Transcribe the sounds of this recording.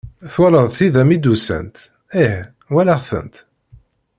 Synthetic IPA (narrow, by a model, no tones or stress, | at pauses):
θwæləðˤθiðæmid̪usæ̰nt̪ | ih | wælæθə̰nt̪